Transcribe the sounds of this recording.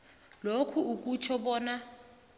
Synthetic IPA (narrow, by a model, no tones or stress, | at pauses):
lokʰuuk̬ʼut͡ʃʰɔɓɔːna